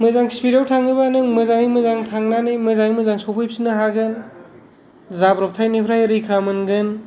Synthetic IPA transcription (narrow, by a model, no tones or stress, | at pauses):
mɯzaŋspiɾawtʰaŋɯbanɯŋmɯzaŋijmɯzaŋtʰaŋnanɯjmɯzaŋijmɯzaŋsopʰɯjp̚sinɯɦaɡɯn | zabɾɔp̚tʰajnipʰɾajɾɯjkʰamɯnɡɯn